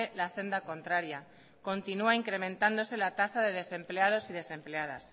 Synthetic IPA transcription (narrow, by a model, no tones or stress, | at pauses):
elase̞nd̪ako̞nt̪ɾaɾja | ko̞nt̪inuaiŋkɾe̞mẽ̞nt̪and̪o̞se̞lat̪asaðe̞ð̞e̞se̞mpleað̞o̞siðe̞sẽ̞mple̞aða̰s